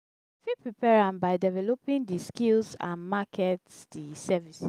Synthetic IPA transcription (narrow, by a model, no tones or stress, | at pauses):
fipɹipɛɹãmbaɪdɛvɛlopĩndiskilsã̰nmakʰɛtsdisɛvis